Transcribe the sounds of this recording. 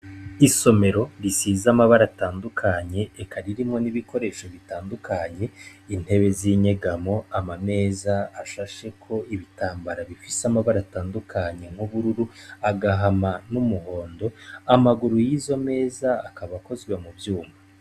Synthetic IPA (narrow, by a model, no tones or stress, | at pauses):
iso̞me̞ɾo̞ɾisiːzamaβaɾataːndukʰaɲe̞ːkʰaɾiɾimŋo̞niβiko̞ɾe̞ʃo̞βitaːndukʰaɲe̞in̥he̞βe̞ziɲe̞ɡamo̞amame̞ːzaːʃaʃe̞kʰo̞iβitaːmbaɾaβifisamaβaɾataːndukʰaɲe̞ŋ̥huβuɾuɾuaɡaɦamanumuɦo̞ːndo̞amaɡuɾujizo̞me̞ːzaːkaβako̞zɡwemubjuːma